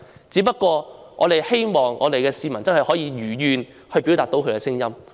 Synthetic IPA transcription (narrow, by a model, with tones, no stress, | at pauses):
t͡siː˨˥p̬ɐ˥t̚kːɔː˧ | ŋɔ̰ː˨˧ɾe˨jhe˥jmɔː˨ŋɔ̰ː˨˧d̪e˨jkɛː˧siː˨˧mɐ˨˩nt͡sɐ˥nhɦjhɔː˨˥jiː˧jyː˨˩jyː˨˧n | hɵ˧ɥpi˨˥wt̪aː˨k̚t̪o˨˥wkʰkɛː˧sɪ˥ŋjɐ˥m